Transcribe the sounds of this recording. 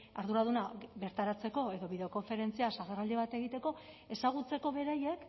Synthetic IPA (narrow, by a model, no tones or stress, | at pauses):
aɾðuɾaðunabe̞ɾt̪aɾat͡se̞ko̞e̞ðo̞βiðe̞o̞ko̞ɱfe̞ɾe̞nt͡siasaɣaɾald̪eβat̪e̞ɣit̪eko̞ | e̞saɣ̞ut͡se̞ko̞βe̞ɾaje̞k